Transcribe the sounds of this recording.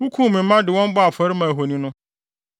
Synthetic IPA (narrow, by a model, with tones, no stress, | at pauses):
wu˦kʰũ˦˨mĩ˨m̩˦mã˦dɪ˨wɔ̃˦m˦bɔ˦a˨fʰʊ˨ɛ˨˦ɾɪ˦mã˨ɦo˨nĩ˦nʊ̃˦